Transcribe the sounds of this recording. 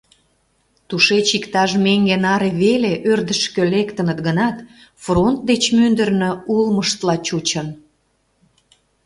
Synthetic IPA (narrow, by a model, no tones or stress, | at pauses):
t̪uʃet͡ɕikt̪ɑʒmeŋɡenɑɾeβeleʔørd̪əʃkølekt̪ənət̪ɡənɑt̪ | front̪̚d̪et͡ɕmynd̪ərnøulməʃt̪lɑt͡ɕut͡ɕən